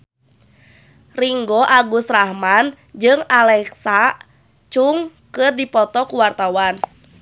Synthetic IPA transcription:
riŋɡɔʔaɡusrahman | d͡ʒɨŋalɛksa | t͡ʃuŋkɨrdipɔt̪ɔkuwart̪awan

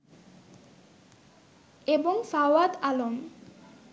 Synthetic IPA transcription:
eboŋfawad̪alom

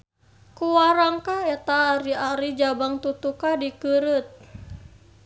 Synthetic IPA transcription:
kuwaɾaŋkaɛt̪aːɾiaɾid͡ʒabaŋt̪ut̪ukadikɨɾut̪̚

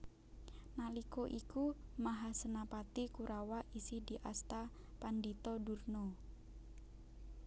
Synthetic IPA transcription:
nalikoʔikumaɦasənapat̪ikuɾʔawaʔisihdiʔast̪a | pandit̪ɔdurno

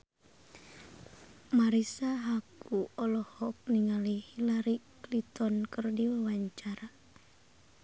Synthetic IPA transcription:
maɾisaɦakuɔlɔhɔk̚niŋalihilaɾiklit̪ɔnkərdiwawaɲt͡ʃaɾa

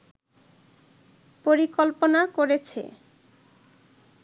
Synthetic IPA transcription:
poɾikolponakoɾet͡ɕʰḛ

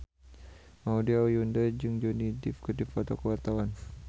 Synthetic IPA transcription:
maudiajundad͡ʒɨŋd͡ʒɔnidifkədifɔt̪ɔkəwart̪awan

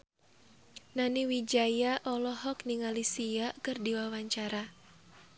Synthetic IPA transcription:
naniwid͡ʒajaʔɔlɔɦɔkniŋalisiakɨrdiwawaɲt͡ʃaɾa

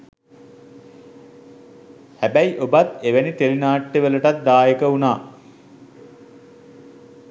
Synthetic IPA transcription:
hæbæjʔobat̪eʋenit̪elinaːʈːeʋələʈat̪̚d̪aːjekəunaː

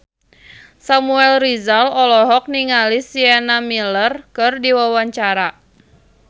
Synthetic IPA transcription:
samuɛlrizalɔlɔɦɔk̚niŋalisianamilərkɨrdiwawaɲt͡ʃaɾa

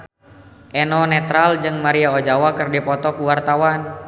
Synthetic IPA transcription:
ʔɛnɔnɛt̪ɾald͡ʒɨŋmaɾiaod͡ʒawakɨrdipɔt̪ɔkuwart̪awan

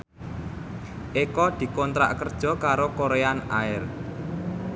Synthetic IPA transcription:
ʔekɔd̪̥i̤kɔnt̪ɾa̰ʔkərd̥ʒ̥ɔ̤kaɾokoɾeanaɪr

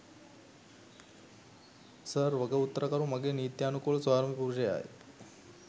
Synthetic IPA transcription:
səɾʋəɡəut̪ːəɾəkəɾũmɐɡenit̪jaːnukulsaɾmipuɾd͡ʒea̰ːḛ

